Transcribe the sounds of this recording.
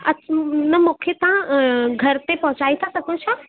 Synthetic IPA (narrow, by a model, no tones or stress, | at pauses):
ɐnəmokʰet̪ãɡʱɐɾt̪epɔ̃ɦʊ̃t͡ɕaːit̪ʰasɐɡʱot͡ɕʰa